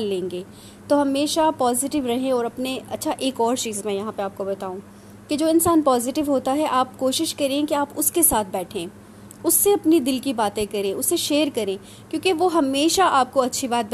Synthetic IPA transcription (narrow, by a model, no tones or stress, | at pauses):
lːẽːŋɡeː | t̪oɦɐmeːʃapaːzɪʈɪʋɾɐɦẽɔːɾɐpneɐtːʃʰaʔeːkɔːɾt͡ʃiːzmɛ̃jɐɦãpeaːp̚kobɐt̪aːũː | ked͡ʒoːɪnsaːnpaːzɪʈɪʋɦoːt̪aɦɛʔaːpkoːʃɪʃkɐɾẽkiaːpʊskesaːt̪̚ʰbɛːʈʰẽː | ʊsːeɐpnid̪ɪlkibaːt̪ẽkɐɾẽʊsːeʃeːəɾkɐɾẽː | kjõːkeʋoɦɐmeːʃaʔaːp̚koɐtːʃʰibaːt̪̚b